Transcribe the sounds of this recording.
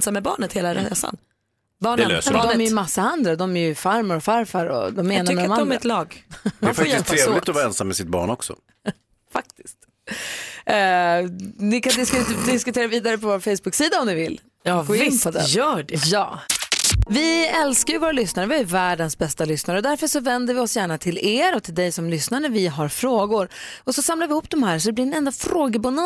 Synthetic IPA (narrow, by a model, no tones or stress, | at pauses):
samːɛbɑ̰ːɳət̪heːlaɾ̰ḛːsa̰n | bɑːɳɛø̰d̪ɔmɛɾjʏmasːaand̪ɾad̪ɔmæɾjɵfaɾmaɾɔfaɾfaɾɔ̰d̪ɔmːeːnaɾmɛd̪ɔmaɔmɛɾɛt̪lɑːɡd̪ɛːfakjɪst̪ʰɾeːvlɪt̪ɔvɑːɾɛnsamːɛsɪt̪̚bɑ̰ːɳɔksɔ̰ | fak̚t̪ɪ̥st̪ | nɪkand̪ɪskd̪ɪskɵt̪ʰeːɾaviːd̪aɾəpɔvoːɾfɛjsbɵksiːd̪aɔmnɪvɪl | ɡoɪpʰɔd̪ɛjœːɖɛjɑ̰ː | vɪɛlskaɾjɵvoːɾalʏsnaɾəvɪæjvæːɖənsbɛst̪alʏsnaɾəɔd̪æɾfəʂɔvɛnd̪əɾvɪɔsjæːɳat̪ʰɪleːɾɔt̪ʰɪld̪ɛjsɔmlʏsnaɾəvɪɦaɾfɾoːɡʊɾ | ɔsɔsamlavɪhʊpːd̪ɔmhæːɾʂɔd̪ɛb̪ɪɾɛnɛnd̪afɾoːɡəbanɔ